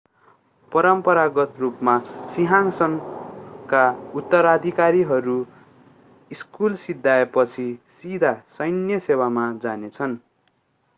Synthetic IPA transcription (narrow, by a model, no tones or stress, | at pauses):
pʌɾʌmpʌɾaɡʌt̪rupmasiɦaŋsʌnkaut̪ːʌɾad̪ʱikaɾiɦʌɾu | iskulsid̪ʱːaepʌt͡sʰisid̪ʱasʌjnjʌsewamad͡zanet͡sʰʌn